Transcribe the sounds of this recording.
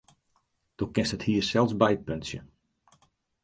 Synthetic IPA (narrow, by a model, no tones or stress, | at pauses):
d̥okɪnsthəthiːərsɛlˠsbɛjət̚pønsjə̰